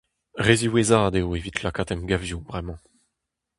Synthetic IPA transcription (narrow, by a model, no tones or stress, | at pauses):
ʁeziwezaːd̪eoevit̪ʰlakaːt̪ɛmɡavjubʁɛmɑ̃